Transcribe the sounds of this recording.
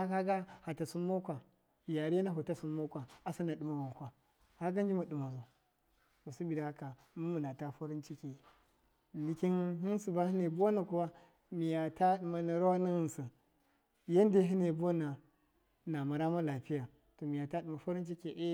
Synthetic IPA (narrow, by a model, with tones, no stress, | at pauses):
a˦ka˦ɡa˦ha˨ta˨su˦mːo˦kʷa˨ | ja˨ɾi˦na˦ɦu˨ta˦su˨mː˦o˦kʷa˨a˨sa˦na˨ɗu˨ma˦wa˨kʷa˨ | ha˦ɡa˦n˦d͡ʒi˦ma˨ɗu˨ma˨zo˨ | to˨su˦bi˨da˨˦ka˨ | mu˦mu˨na˨ta˦fo˦ɾi˦nt͡ʃi˦ki˨ | li˨ki˦nɦi˦n˦su˨ba˦hi˦ne˨bo˦na˨ku˦wa˦ | mi˨ja˨ta˦ɗu˨ma˨na˨ɾa˦wa˦na˦hi˦nsa˨ | ja˦nde˦ɦi˦ne˨bo˦na˨ | na˨ma˨ɾa˦ma˦la˨pi˦ja˨ | to˨mi˨ja˨ta˦ɗu˨ma˨fo˦ɾi˦nt͡ʃi˦ke˨ʔe˦